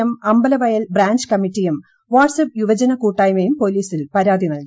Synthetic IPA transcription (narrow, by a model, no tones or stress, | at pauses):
ɐmɐmbɐlɐʋɐjɐlbraːɲd͡ʑɨkɐmitːijum | ʋaːʈsɐp̚ːjuʋɐd͡ʑɐnɐkuːʈːaːjmɐjumpo̞liːsilpɐɾaːd̪ʱinɐlki